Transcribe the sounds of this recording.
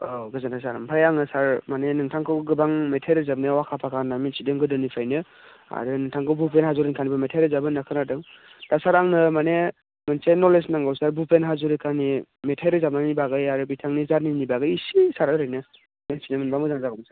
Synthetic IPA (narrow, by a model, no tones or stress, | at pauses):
oɡɯzanasaɾampʰajaŋnɯsaɾmanenɯŋtʰaŋkʰɯwɡɯbaŋmetʰajɾɯzab̚niawakʰapʰakʰanamensidɯŋɡɯdɯnipʰajnɯ | a̰ɾɯnɯŋtʰaŋkʰɯwbupʰenɦazuɾinkʰanibɯmetʰajɾɯzabɯnakʰɯnadɯŋ | d̥asaɾaŋnɯmane | mɯnsenɔlesnaŋɡawsaɾbupʰenɦazuɾɯkʰanimetʰajɾɯzab̚nanibaɡɯjaɾɯbitʰaŋnizaɾninibaɡɯjisisaɾɯɾɯjnɯ | mensinɯmɯnbamɯzaŋzaɡɔmsa